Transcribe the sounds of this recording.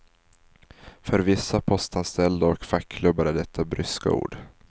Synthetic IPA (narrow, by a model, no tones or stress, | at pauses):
fœɾvɪsːapʰɔst̪anst̪ɛld̪aɔkfakʰːlɵbːaɾæɖɛt̪ʰːabɾʏska̰ṵːɖ̥